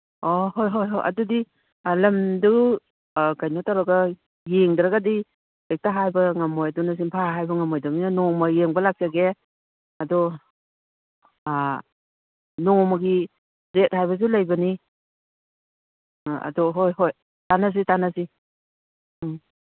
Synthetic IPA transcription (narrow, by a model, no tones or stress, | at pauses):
ɔɦojɦojɦojʔa̰dudi | lɐmdɯw | kajnɔtaɾaɡa | jeŋdɾaɡadi | ek̚taɦajbɐŋamɔjadɔnas̬iŋpʰaɦajbɐŋamɔjdaminanɔŋmajeŋbɐlak̚saɡe | adɔ | nɔŋmaɡi | ɾet̚hajbɐz̬ulajbɐni | a̰dɔɦojɦoj | tanas̬itanasi